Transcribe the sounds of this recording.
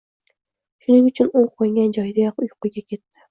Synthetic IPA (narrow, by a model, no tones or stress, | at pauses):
ʃʊnɪŋʊt͡ʃʰʊnoŋqʰojŋɡʲand͡ʒɒjd̪ajɒqʊjqʊɡʲakʲʰe̞t̪ːɪ̥